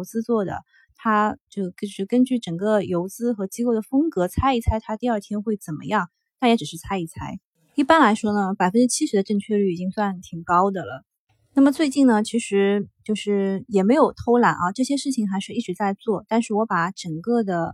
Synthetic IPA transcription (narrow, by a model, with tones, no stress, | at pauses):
ʊt͡sɹ̩˥t͡swɔ˥˩d̪ə̰˩ | t̪ʰa˥t͡ɕjo˥˧˩ko˥˧ʊʂɻ̩˥˩kə˥nt͡ɕy˥˩ʈ͡ʂə˨˩ŋkə˧jo˧˥ʊt͡sɹ̩˥xɤ˧˥t͡ɕi˥ko˥˩ʊd̪ə˩fɤ˥ŋkɤ˧˥t͡sʰa˥ɪi˥˧t͡sʰa˥˩ɪt̪ʰa˥t̪i˥˧ə˞˥˧t̪ʰjɛ˥nxwe˥˩ɪt͡sə˨˩nmə̰˦jɑ˥˩ŋ | t̪a˥˩njɛ˧˥ʈ͡ʂɻ̩˨˩ʂɻ̩˥˩t͡sʰa˥ɪi˥˩t͡sʰa˥ɪ | i˥˩pa˥nla˧˥ɪʂwɔ˥nə˨pa˨˩ɪfə˥nʈ͡ʂɻ̩˥t͡ɕʰi˥ʂɻ̩˧˥d̪ə˧ʈ͡ʂɤ˥˧ŋt͡ɕʰɥɛ˥˧ly˥˩i˨˩t͡ɕi˥ŋswa˥˧nt̪ʰi˨˩ŋkɑ˥ʊd̪ə˨lə̰˩ | na˥˩mə˩t͡swe˥˧ɪt͡ɕi˥˩nnə˩t͡ɕʰi˧˥ʂɻ̩˧˥t͡ɕjo˥˧ʊʂɻ̩˥˩jɛ˨˩me˧˥ɪjo˨˩ʊt̪ʰo˥ʊla˨˩nʔɐ˧ʈ͡ʂɤ˥˩ɕjɛ˥ʂɻ̩˥˩t͡ɕʰi˨˩ŋxa˧˥ɪʂɻ̩˥˧i˥˩ʈ͡ʂɻ̩˨˩t͡sa˥˧ɪt͡swɔ˥˩t̪a˥˧nʂɻ̩˥˩wɔ˧˥pa˨˩ʈ͡ʂə˨˩ŋkɤ˥˩d̪ə˩